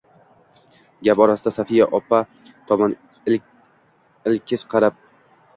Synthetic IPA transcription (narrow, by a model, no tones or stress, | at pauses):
ɡʲapɒɾasɪd̪asafijaʔɒpʰa | t̪ʰɒman | ɪlkʲʰɪsqʰɑɾap̚